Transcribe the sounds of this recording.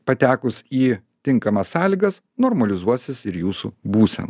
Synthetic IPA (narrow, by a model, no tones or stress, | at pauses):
pɐt̪ʲæːkʊsiːt̪ʲɪŋkɐmɐssɑːlʲiːɡɐs | nɔːɾmɐlʲɪzuɔsʲɪsɪɾjuːsṵbuːsʲɛ̰n